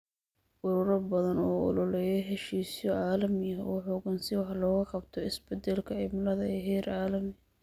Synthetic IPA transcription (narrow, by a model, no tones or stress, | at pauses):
ʔʊɾʊːɾɐbɐðɐnɔːʊ̰lɔlɛjɐɦɛʃiːsɔʕaːlɐmɪɐɔːħʊɡɐnsɪwɑħlɔːɣɐqɑbt̪ʰɔɪsbɛd̪ɛlkʰɐʕɪmlɐðɐɛɦɛːɾaːlɐmɪ